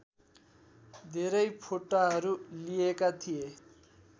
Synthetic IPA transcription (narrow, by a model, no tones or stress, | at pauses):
d̪ʱeɾʌjpʰoʈaɦʌɾulijekat̪ʰije